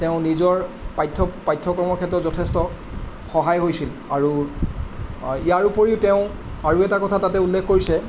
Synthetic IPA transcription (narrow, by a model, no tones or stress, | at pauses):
tɛʊ̃nizɔɹpajtʰːɔpajtʰːɔkɔɹmɔɹkʰɛtːɔzɔtʰɛstɔ | xɔɦajɦojsil | aɹu | ijaɹupoɹiʊtɛʊ̃ | aɹuɛtakɔtʰatatɛulːɛkʰkoɹisɛ